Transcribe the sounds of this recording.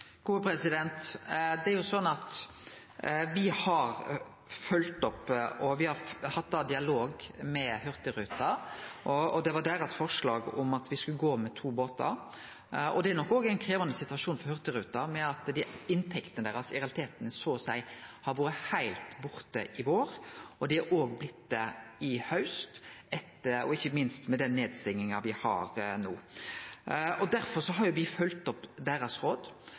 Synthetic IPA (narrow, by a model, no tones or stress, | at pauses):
ɡ̥uːəpʰɾɛsɪd̪ɛnt̪d̪ɛæɾjʊsɔnːɑt̪ | ʋɪhɑɾ | fœlt̪ɔpːʔɔʋɪhɑɾhɑt̪̚ːd̪ɑːd̪ɪɑloːɡmɛhœɾt̪əɾʉːt̪ɑʔɔɔd̪ɛʋɑɖ̪æɾɑt̪fɔʂlɑːɡʊ̰mɑt̪ʋɪskʉləɡoːmɛt̪ʰuːboːt̪ɑ̰ɾ | ɔ̰d̪ɛæɾnɔkːoːɡæɪnkʰɾeːʋɑnəsɪt̪ʉʋɑʂuːnfɔɾhœʁt̪əɾʉːt̪ɑmɛɑt̪d̪ɪɪnt̪ʰɛkt̪ənəd̪æːɾɑsɪɾɛɑlɪt̪ʰeːt̪ənəsoːsæɪhɑɾʋoːɾəhæɪlt̪bʊɾt̪əʔɪʋoːɾʔɔd̪ɪæɾʔoːɡblɪt̪ːəɪhœʉst̪ɛt̪ːəɔ̰ɪçːəmɪnst̪mɛd̪ɛnːeːd̪st̪ɪŋːɪŋɑʋɪhɑ̰ɾnuː | ʔɔd̪æɾfɔɾsɔɦɑɾjʊʋɪfœlt̪ɔpd̪æːɾɑsɾoːd̪